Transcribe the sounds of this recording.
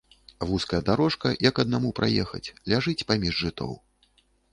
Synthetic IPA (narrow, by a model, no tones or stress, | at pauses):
vuskɐjɐd̪aɾɔʂkɐjɐkɐd̪namupɾa̰jɛxɐ̰t͡sʲlʲaʐɨt͡sʲpamʲiʐʐɨt̪ʰɔ̰w